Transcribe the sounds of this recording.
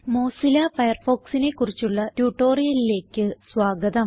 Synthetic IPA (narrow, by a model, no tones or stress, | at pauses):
mo̞ːsilɐfɐjɐrfo̞ːksine̞kːurit͡ɕːuɭːɐtjuːʈːo̞ːrijɐlile̞ːkːɨsʋaːɡɐðɐm